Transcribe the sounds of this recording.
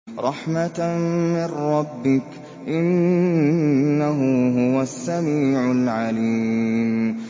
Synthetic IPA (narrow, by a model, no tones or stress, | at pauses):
ɾˤɑħmamɪrːɑbːɪk | ʔɪn | aɦʊɦʊwasːamiːʕʊlʕaliːm